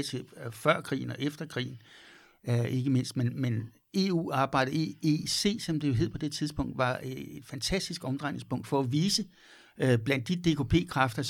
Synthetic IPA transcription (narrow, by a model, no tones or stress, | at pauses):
t͡sʰefɶɐ̰kʰʁḭːn̩ɒ̽ʔefd̥ɐkʰʁḭːn̩ | e̝ɡ̥əme̝n̰sd̥menmen | e̝ːṵːɑ̈ːb̥ɑ̈ɪ̰ɾ̥əeese̝̰ːsɒ̽md̥ejo̝ɦḛpʰɒ̽d̥e̝t͡sʰið̞ˠsb̥ɔ̽ŋ̰d̥ʋɑ̈eed̥fænt͡sʰæsd̥isɡ̥ɒ̽md̥ʁɑ̈ɪne̝ŋsb̥ɔ̽ŋ̰d̥fɒ̽æʋiːsə | b̥læn̰d̥ːid̥e̝kʰo̝pʰe̝̰ːkʰʁɑfd̥ɐs